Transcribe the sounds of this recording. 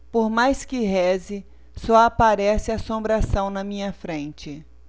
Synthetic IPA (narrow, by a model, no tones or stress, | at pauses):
poɾmajskɪɦɛzɪ | sɔapaɾɛsɪasõmbɾasɐ̃w̃nɐmĩɲɐfɾẽnt͡ʃɪ